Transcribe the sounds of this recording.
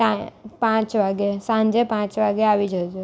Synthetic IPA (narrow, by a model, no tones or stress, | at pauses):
apãːt͡ʃʋaːɡesãːɲd͡ʒepãːt͡ʃʋaːɡeaːʋid͡ʒʱod͡ʒe